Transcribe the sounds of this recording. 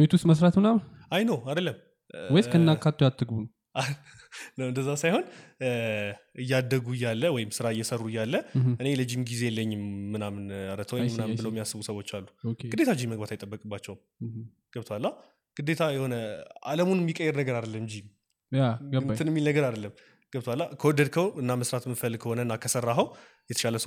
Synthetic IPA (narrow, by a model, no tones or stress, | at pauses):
bet̪ust̪məsɾat̪mɨnamajnəwad̪əlːəm | wɔjkənːakʰːat̪ʰːujat̪ʰːɨɡbun | a | nəwɨnd̪əzːasajho̞n | ɨjːad̪ːəɡuɨjalːəwɔjɪmsɨɾaɨjːɛsərːujalːəʔɨne̞ləd͡ʒːimɡize̞jlːəɲːɪmːɨnamnaɾət̪ʰəwmːɨnambɨləwjɛmːijasːɨβusəwo̞t͡ʃːalːu̥ɡɨd̪e̞t̪ʰad͡ʒiməɡ̚bat̪ajt̪ʼəbːəkʼɨbːat͡ʃːɛwm | ɡ̥əbt̪ʰwalːa | ɡ̥ɨd̪ːe̞t̪ʰajɛho̞nəa̰ləmunmːikʼəjːɛɾnəɡəɾad̪əlːəmd͡ʒim | ɨt̪ɨnɛmːilnəɡəɾad̪əlːəm | ɡ̥əbt̪ʰwalːakʰəwɔd̪əd̪kʰəɨnːaməsɾat̪mɨfəlkʰəho̞nəɨnːakʰəsərːaɦəw | jɛt̪ʰə̥ʃaləs